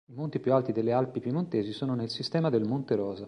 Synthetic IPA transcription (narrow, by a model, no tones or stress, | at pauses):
imont̪ipjualt̪id̪elːealpipimont̪eːzisoːnonelsist̪ɛːmad̪elmont̪eɾɔːza